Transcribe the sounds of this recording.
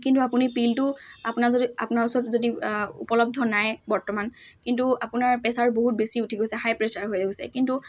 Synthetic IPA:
kintuapunipiltʊapunaɹzodia̰punaɹusɔtzodiṵpɔlɔb̚dʱɔnajbɔɹtɔmankintuapunaɹpɛsaɹboɦut̚besiutʰiɡojsɛhajpɹɛsaɹɦojdeɡosɛ̰kintu

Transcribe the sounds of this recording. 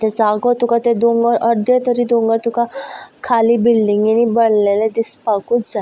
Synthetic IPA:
t̪ɛd͡zaɡɔt̪ukat̪ɛd̪õŋɡəɾʔəɾd̪ʱjet̪əɾiːd̪õŋɡəɾt̪ukakʰaliːbilɖiŋɡinibəɽlelɛd̪ispakut͡sd͡za

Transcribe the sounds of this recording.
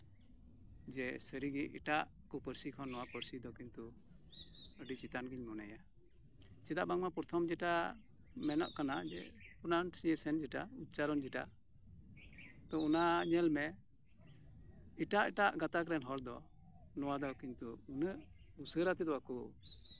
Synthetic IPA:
d͡ʒɛsəɾiɡiʔḭʈaʔ | kɔpəɾsikʰɔnːɔwapəɾsid̪ɔkint̪u | əɖit͡ʃit̪anɡiɲmɔnaja | t͡ʃɛd̪aʔbaŋmapɔɾt̪ʰɔmd͡ʒɛʈa | mɛnɔ̰ʔkanad͡ʒɛ̰punansiɛsɛnd͡ʒɛʈaut̪̚t͡ʃaɾɔnd͡ʒɛʈaʔ | t̪ɔunaɲɛlmɛ | iʈaʔiʈaʔɡat̪akɾɛnɦɔɾd̪ɔ | nɔwad̪ɔkint̪uːnəʔ | usəɾat̪ɛd̪ɔwakɔ

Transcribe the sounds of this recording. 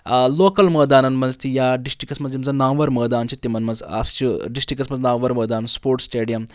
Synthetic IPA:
lokəlməd̪anɐnmɐnzt̪ijaɖisʈɾikɐsmɐd͡zemd͡zanaʋəɾməɦd̪ant͡ɕit̪ːimɐnmɐnzɐ̰st͡ʃiɖisʈɾikɐsmɐd͡znaʋəɾməɦd̪anspoɾʈsʈeɖijəm

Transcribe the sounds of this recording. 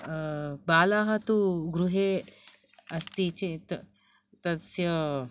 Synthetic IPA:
baːlaɦɐt̪uɡɾuɦe | ɐst̪it͡ɕit̪ | t̪ɐsjə

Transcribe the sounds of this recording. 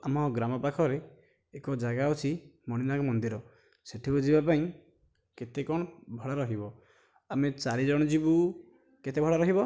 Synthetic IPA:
a̰mɔɡɾamɔpakʰɔɾeː | kɔd͡ʒaɡaut͡ʃʰimɔɽ̃inakɔmɔnd̪iɾɔ | seʈʰibud͡ʒibapaĩ | ket̪ekɔɽ̃ɔbʱɔɽaɾɔɦibɔ | amet͡ʃaɾid͡ʒɔɽ̃ɔd͡ʒibu | ket̪ʰebʱɔɽaɾɔɦibɔ

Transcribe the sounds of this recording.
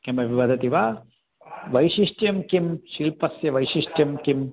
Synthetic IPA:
kɐmɐbʱiʋɐd̪ʱɐt̪iʋa | ʋɐjʃiʂʈjɐmkimʃiːlpɐsjɐʋɐjʃiʂʈjɐmkim

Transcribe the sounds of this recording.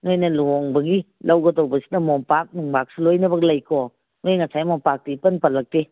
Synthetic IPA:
ŋojnɐloŋbɐɡilɐwɡɐtɐwbɐsi̥tɐmɔmpak̚nuŋbak̚silojnɐbɐɡlɐjkʰo | ŋajŋɐsajmompak̚tiipɐnpɐlɐk̚te

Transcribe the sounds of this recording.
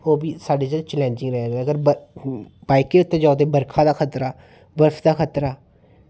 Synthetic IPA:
oːbiːsaːɖeːd͡ʒət͡ʃlɛ̃ːnd͡ʒɪ̃ŋɡɾɛeɡəɡəɾbə | baːɪkeːʊt̪ːẽːd͡ʒaːd̪eːbəɾkʰãːd̪aːkʰət̪ɾaː | bəɾsʰd̪aːkʰət̪ɾaː

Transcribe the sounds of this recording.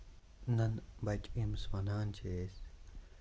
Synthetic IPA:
nɐnbɐt͡ʃʼimsmɐnaːnt͡ʃʰes

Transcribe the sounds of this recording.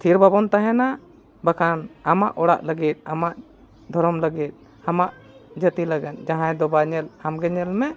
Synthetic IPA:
t̪ʰiɾbʱabɔnt̪aɦɛna | bakʰanamaʔɔɽa̰ʔləɡit̪̚ˀamaʔ | d̪ʱɔɾɔmləɡit̪̚ˀ | amaʔ | d͡ʒət̪iləɡɛnd͡ʒãɦãd̪ɔbaɲɛlhamɡɛɲɛlmɛ

